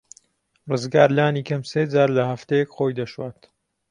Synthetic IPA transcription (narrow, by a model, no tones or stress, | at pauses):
rɨzɡaːɾlaːniːkɐmseːd͡zaːɾlɐhɐft̪ejɛkχoːjd̪ɐʃwaːt̪